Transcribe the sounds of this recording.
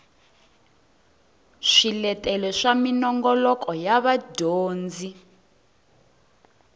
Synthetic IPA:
ʂilɛtʼɛlɛʂaminɔŋɡɔlɔkɔjaβadoːnd͡zi

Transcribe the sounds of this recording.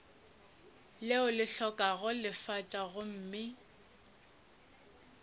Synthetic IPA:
lɪʊlɪɬɔkʼaɣʊlɪfat͡ʃʼaɣʊm̩ːmɪ

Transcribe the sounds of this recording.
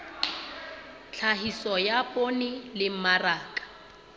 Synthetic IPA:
t͡ɬʰaɦisɔjapʼonɪlɪm̩maraːkʼḁ

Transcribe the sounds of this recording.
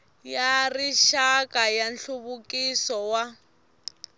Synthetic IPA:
jariʃakʼajanɬuβukisɔwa

